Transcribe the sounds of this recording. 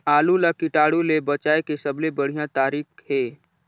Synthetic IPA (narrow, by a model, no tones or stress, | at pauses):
aːlulakɪʈaːɽulebət͡ʃaːekesəblebəɽ̤ijãt̪aːɾiːkɦeː